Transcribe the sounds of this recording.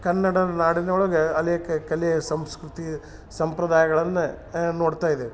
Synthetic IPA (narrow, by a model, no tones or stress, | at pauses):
kɐnːɐɽɐnaːɽinɐoɭɐɡɐɐleːkɐkɐlesɐmskɾut̪i | sɐmpɾɐd̪aːjɐɡɐɭɐnːɐnoːɽt̪aːjid̪e